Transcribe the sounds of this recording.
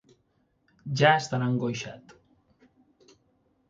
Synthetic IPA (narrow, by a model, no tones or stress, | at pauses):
ʒaest̪anaŋɡojʃat̪